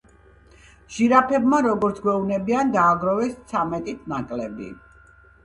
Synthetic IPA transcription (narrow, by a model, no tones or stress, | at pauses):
ʒ̥iɾapʰɛbmaɾɔɡɔɾt̪sʰɡwɛunɛbiand̪aːɡɾɔvɛst̪sʰamɛt̪ʼit̪ʰnakʼlɛbḭ